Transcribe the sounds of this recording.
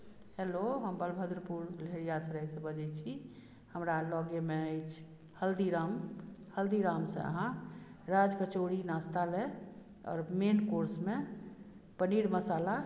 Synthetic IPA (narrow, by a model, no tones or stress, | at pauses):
heloɦəmbəlbʱəd̪ɾpuɾleɾijasəɾəjsẽbəd͡ʒɛt͡ʃʰi | həmɾalɔɡemeəjt͡ʃʰ | həld̪iɾamhəld̪iɾaːmsḛ̃ə̰ɦãɾad͡ʒkət͡ʃoɾinast̪ale | ɔ̰ːɾmenkoɾsme | pəniɽməsala